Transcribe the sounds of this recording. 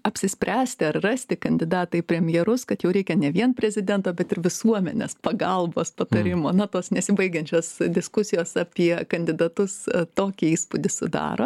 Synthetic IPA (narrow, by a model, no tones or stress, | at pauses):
ɐpʲsʲɪsʲpʲɾʲæːsʲt̪ʲɪɐrrɑsʲt̪ʲɪkɐnʲd̪ʲɪd̪ɑːt̪ɐɪpʲɾʲɛmʲjɛɾʊskɐt̪jɛʊɾʲɛɪkʲɛnʲɛʋʲiɛnpʲɾʲɛzʲɪd̪ʲɛnt̪oːbʲɛt̪ɪɾʋʲɪsuɔmʲɛ̰nʲḛspɐɡɐlˠboːspɐt̪ɐɾʲɪmoːnɐt̪oːsnʲɛsʲɪbɐɪɡʲɛnʲt͡ʃʲoːsd̪ʲɪskʊsʲɪjoːsɐpʲiɛkɐnʲd̪ʲɪd̪ɐt̪ʊst̪oːkʲɪiːspʊd̪ʲɪsʊd̪ɑ̰ːɾo̰ː